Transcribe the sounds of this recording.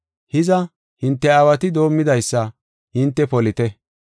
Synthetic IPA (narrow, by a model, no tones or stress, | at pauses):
hɪzɐ | hɪnt̪ːɛaːwɐt̪ɪd̪o̞ːmːɪd̪ɐjsːɐ | hɪnt̪ːɛpɔlɪt̪ɛ